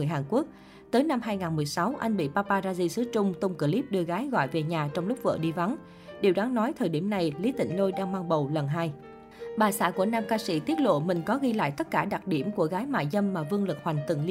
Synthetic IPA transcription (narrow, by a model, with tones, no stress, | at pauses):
ɨ˨˩əjhaː˨˩nku˦˥ək̚ | t̪əː˨˦jna˧mɦaː˧jŋaː˨˩nmɨ˨˩əjsa˨˦wʔa̰˧jŋ̟ɓḭ˧˨paː˧paː˧zaː˧zi˧sɨ˨˦t͡ɕʊ˧ŋ͡mt̪ʊ˧wŋ͡mkə˧˩li˦˥p̚ɗɨ˧əɣaː˨˦jɣɔ̰˧˨jve˨˩ɲaː˨˩t͡ɕɔ˧wŋ͡mlʊ˦˥k͡p̚və̰ː˧˨ɗi˧va˨˦n | ɗi˨˩əwɗaː˨˦ŋnɔ˨˦jt̪ʰəː˨˩jɗi˧˩əmna˨˩jli˨˦t̪ï˧˩ŋ̟lo˧jɗaː˧ŋmaː˧ŋɓə˨˩wlə˨˩nɦaː˧j | ɓaː˨˩sa̰ː˧˥˩ku˧˩ənaː˧mkaː˧sḭ˧˥t̪i˦˥ət̚lo̰˧˨mï˨˩ŋ̟kɔ˨˦ɣi˧la̰ː˧˨jt̪ə˦˥t̚kaː˧˩ɗa˨˩k̚ɗi˧˩əmku˧˩əɣaː˨˦jma̰ː˧˨jzə˧mmaː˨˩vɨ˧əŋlɨ˨˩k̚hwa˨˩jŋ̟t̪ɨ̰˨˧˩ŋl